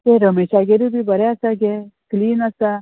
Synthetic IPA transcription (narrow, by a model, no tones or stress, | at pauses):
t̪eɾəmeʃaɡeɾubibəɾeasaɡekliːnasa